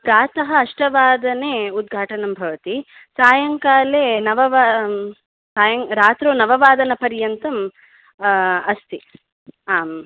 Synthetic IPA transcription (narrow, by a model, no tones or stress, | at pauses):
ɡaːt̪ɐɦɐɐʂʈɐʋaːd̪ɐneːud̪̚ɡʱaːʈɐnɐmbʱɐʋɐt̪i | saːjɐŋkaːleːnɐʋɐʋaː | saːjɐŋɾaːt̪ɾoːnɐʋɐʋaːd̪ɐnɐpɐɾjɐnt̪ɐm | ɐst̪i | aːm